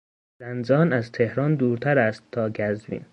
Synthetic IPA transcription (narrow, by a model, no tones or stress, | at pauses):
z̥ænzɒːnæzt̪ʰehɾɒːnd̪uːɾt̪ʰæɾæst̪ʰːɒːɡæzbḭːn